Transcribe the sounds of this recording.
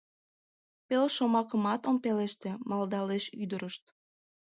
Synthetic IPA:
pelʃomɑkəmɑt̪ompeleʃt̪emɑld̪ɑleʃyd̪əɾəʃt̪̚

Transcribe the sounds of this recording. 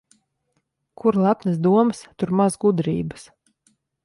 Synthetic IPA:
kʰuɾlˠapnɨs̬d̪uɔmɨst̪uɾmazɡud̪ɾḭːbɨ̥s

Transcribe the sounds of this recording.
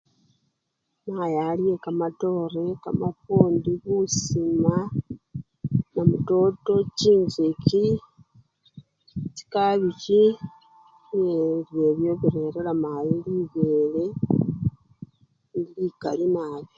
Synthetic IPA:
majalje̞kamato̞reka̰mafuːndiβusima | namuto̞to̞ciːɲɟeci | t͡ʃi̥kaβici | jelje̞βjo̞βiɾe̞ɾelamajeliβele̞ | nilika̰limaːje

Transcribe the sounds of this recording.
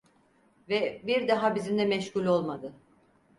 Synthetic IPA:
vɛbiɾd̪aɦabizind̪ɛmɛʃkulʲo̞lˠmad̪ɯ

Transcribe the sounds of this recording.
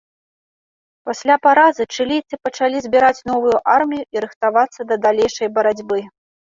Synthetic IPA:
pasʲlʲapaɾazɨt͡ʂɨlʲijt̪sɨpɐt͡ʂalʲizʲbʲiɾat͡sʲn̪ɔvujuʔarmʲijuiɾɨxt̪avat̪sːɐd̪ɐd̪alʲejʂɐjbɐɾad͡zʲbɨ

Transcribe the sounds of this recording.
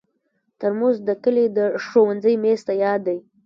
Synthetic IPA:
t̪əɾmozd̪əkəled̪əʂowanzəjmest̪ajɑd̪ːaj

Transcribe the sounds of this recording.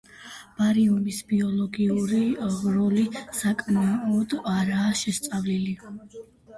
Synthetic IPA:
b̥aɾiumisbiɔlɔɡiuɾiɾɔlisakʼmaɔd̪aɾaːʃɛst̪sʼavlili

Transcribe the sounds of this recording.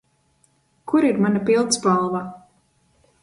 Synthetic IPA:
kuɾiɾmanapilˠt̪sbalˠva

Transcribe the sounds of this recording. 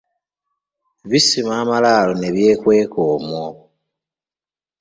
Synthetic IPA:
βisimaːmalaːlone̞βje̞ːkwe̞ːkoːmwo

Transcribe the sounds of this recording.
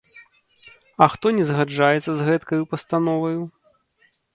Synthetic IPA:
ɐxt̪ɔnʲɛzɣad͡ʐajɛt̪sːɐzɣɛt̪kɐjupɐst̪anɔvɐju

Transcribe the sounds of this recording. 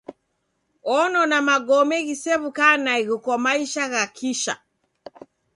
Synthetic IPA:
ɔnɔnamaɡɔmɛɣisɛβukanaiɣukɔmaiʃaɣakʰiʃa̰

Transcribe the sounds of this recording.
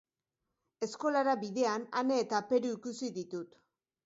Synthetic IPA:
e̞sko̞laɾaβiðe̞anane̞ːt̪ape̞ɾuikusiðit̪ut̪

